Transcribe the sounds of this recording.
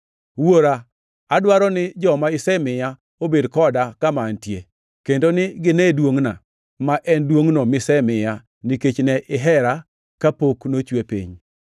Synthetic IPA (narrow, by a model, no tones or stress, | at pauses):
woɾa | adwaɾɔnɪd͡ʒɔmaɪsɛmɪja | obedkɔdakamantjḛ | kendonɪɡɪnɛdwoŋna | maʔɛndwoŋnomɪsɛmɪja | niket͡ʃnɛʔɪɦɛɾa | kapoknot͡ʃwepḭɲ